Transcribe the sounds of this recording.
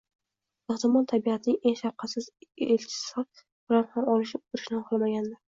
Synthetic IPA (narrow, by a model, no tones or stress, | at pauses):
ɨht̪ɪmɒlt̪ʰabiat̪ʰɪnɪŋʔe̞ŋʃafqʰɑsɪzelt͡ʃʰɪ̥sɪ | b̥ɪlanhamɒlɪʃɪp̚ʊɾɪ̥ʃnɪχlˠamaɡʲand̪ɪɾ